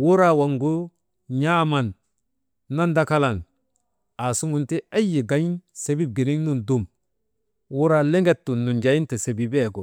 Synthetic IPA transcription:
wu˦ɾa˦˨wa˨ŋɡu˦ | ɲa˦ma˨nː | a˦nda˦ka˦la˨n | a˨su˦ŋu˨nti˦a˦ji˨ɡa˨˦ɲ˦se˨bi˦b̚ɡi˨ni˦ŋnu˨ndu˦˨m | wu˦ɾa˦le˦ŋɡe˦tːu˨nːu˨nd͡ʒa˨˦ji˦nte˨se˨bi˨be˦˨ɡo˨

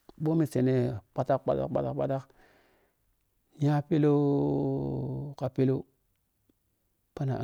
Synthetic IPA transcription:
ɓo˦mi˨se˨ne˨k͡pa˦ta˦k̚k͡pa˦ta̰˦kk͡pa̰˦ta̰˦kk͡pa˦ta˦k | ja˦pi˦lo˦ | ka˨pi˦lo˦ | pa˦na̰˨

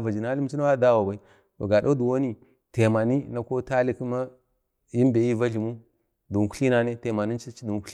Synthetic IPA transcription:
va˨d͡ʒi˨na˨˦li˦m˦t͡ʃi˦na˦wa˦da˦wa˨ba˨i˦ | to̰˨ɡa˨do˦du˨wo˦ni˦ | te˨ma˨ni˦na˨ko˦ta˦li˦ki˦ma˦ | ji˦m˦be˨ji˦va˦ɮi˨mu˦ | du˨ŋ˨ku˦ɬi˦na˨ne˦te˨ma˨ni˦t͡ʃi˦t͡ʃi˦du˨ku̥˦

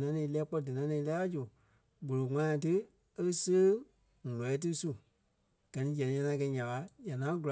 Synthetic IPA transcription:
nã˧˦ɛ̃ː˧˨˦lɛː˦k͡pɔ˧dɨ˨nã˧˦nɛ̃ː˧˨˦lɛ˦a˦d͡ʒo˨ | ɡ͡bo˨lo˨ŋã˦ã˧˨t̬ɨ˦ | e˧kə˦səː˦ | ŋ˨ɔ˨ɛ˨˦t̬ɨ˦su˦˨ | ɡ̥ɜ˨nĩ˦d͡ʒɛ̃˨nĩ˨˦ɲã˧nã˧˦kɛ˧˦ɲã˨ka˨˦ja˨nã˨˦ɡu˨l

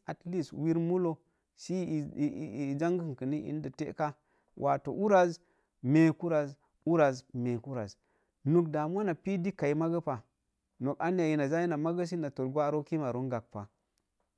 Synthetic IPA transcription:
a˨tli˦swi˦ɾmu˦lo˦ | si˦˨d͡ʒa˦ŋɡə˦˨ŋ˨kə˨ni˦ʔḭ˨n˦də˨tḛ˦ka˦ | wʔa̰˨to̰˨ʔu˦ɾa˨z | me˨ku˦ɾa˨z | u˦ɾa˨zme˨ku˦ɾa˨z | nu˨kda˨m˦a˦na˨pi˦di˦ka˨i˦ma˦ɡə˦pa˨ | no˨ka˦n˦a˨ji˨na˨za˦ji˦na˨ma˦ɡə˦s̬i˦na˨to˨ɾɡʷa˦ɾo˦ki˦ma˨ɾo˦ŋɡa˨k̚pa˨

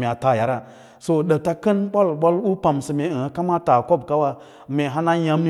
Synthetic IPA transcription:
me˨a˨ta˨ja˨ɾa˦ | so˨ɗə˨ta˦kə˦nɓa˦lɓa˦lu˦pa˨msi˨me˨ha˨˦ka˦ma˦ta˨ko˦˨bka˦wa˦ | me˨ɦa˦na˦ja˦mi˦

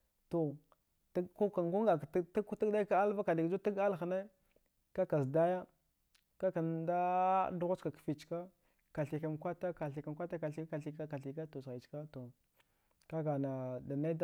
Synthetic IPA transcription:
to˨ | tku˦ka˨ŋɡu˦ŋɡa˨kta˦ku˦ti˦da˦ka˦a˦lva˦ka˨di˨ɡd͡ʒu˦ti˦ɡa˦lxne˦ | ka˦ka˨sda˦ja˦ | ka˦ka˨nda˦du˦ɣa˦t͡ʃka˨kfi˨t͡ʃka˦ | ka˨ɬi˨ka˨nkʷa˦ta˦ka˨ɬi˨ka˨nkʷa˦ta˦ka˨ɬi˦a˨ɬi˦ka˦ka˨ɬi˨ka˦to˨sa˨t͡ʃka˦to˨ | ka˦ɡa˨na˨da˨na˦d

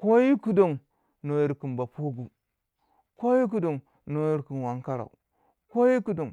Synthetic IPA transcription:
ko˦ji˦ku˦do˨ŋ | no˨ji˨ɾki˨nba˨po˦ɡu˨ | ko˦ji˦k̬u˨do˨ŋ | no˨ji˦ɾki˨nwa˨ŋka˦ɾa̰˨ṵ˨ | ko˦ji˦ku˨do˨ŋ

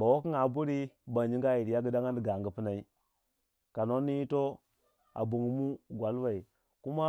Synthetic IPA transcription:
ba˨wo˦ki˦ŋa˨bu˦ɾi˦ba˨nd͡ʒi˦ɡa˦ji˨ɾi˨ja˦ɡə˦da˦ŋa˦ndi˨ɡa˨ŋɡə˨pi˦na˨i˦ | ka˨no˦nːi˦ji˦to˦ | a̰˨bu˨ŋ˨˦mu˦ɡʷa˨lwa˨i˨ | ku˦ma˦

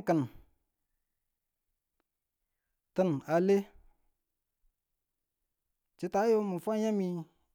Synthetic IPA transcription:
kə˨n | tɨ˦na˨le˦ | t͡ʃi˨˦ta˨˦jo˦mə˨fa˦ɲa˦mi˧

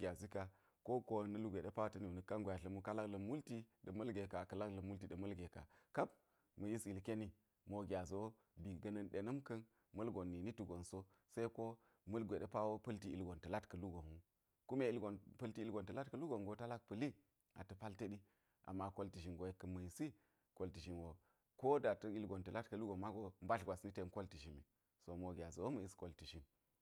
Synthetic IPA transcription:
ɡʲa˨zi˦ka˨ | ko˦ko˦nɐ˦lu˦ɡʷe˨ɗe˦pa˦wo˦tɐ˦ni˨nə˨ka˦nɡʷja˨ɬɐ˨˦mu˦ka˦la˦klə˨mːu˦lti˦də˨mɐ˦lɡe˨ka˨kɐ˨la˦klɐ˨mːu˦lti˨ɗɐ˨mɐ˦lɡe˨ka̰˨ka˦p̚ | mɐ˨ji˦si˨lke˦ni˦ | mo˨ɡʲa˨zo˨˦ | bi˨ɡɐ˨nɐ˦nɗe˨nɐ˦mkɐ˦n | mɐ˦lɡo˨nːi˨ni˦tu˨ɡo˨nso˦ | sa˦i˦ko˦ | mɐ˦lɡʷe˨ɗe˦pa˦wo˦pɐ˦lti˦ḭ˨lɡo˨ntɐ˨la˦tkɐ˨lu˦ɡo˨ŋu˦ | ku˦me˨i˨˦lɡo˨npɐ˦lti˦i˦lɡo˨ntɐ˨la˦tkɐ˦lu˦ɡo˨nɡo˨ta˦la˦k̚pɐ˨li˦ | a̰˨tɐ˨pa˦ltɐ˦ɗi˦ | ʔa̰˨mːa˦ko˦lti˨ʃ̬i˨nɡo˨e˦kːɐ˨mɐ˨ji˨si˦ | ko˨lti˨ʃi˨nwo˨ | ko˦da˨tɐ˨i˦lɡo˨ntɐ˨la˦tkɐ˦lu˦ɡo˨ma˦ɡo˦m˦ba˦ɬɡʷa˨sni˦te˨nko˦lti˨ʃi˨mi˨ | so˨mo˨ɡʲa˨zo˨wo˦mɐ˨ji˦sko˨lti˨ʃi˨n

